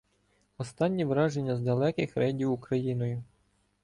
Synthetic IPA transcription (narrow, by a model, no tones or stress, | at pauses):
ɔst̪ɑnʲːiʋɾɑʒenʲːɐzd̪ɐlˠɛkɪxɾɛdʲiwukɾɐjinɔjʊ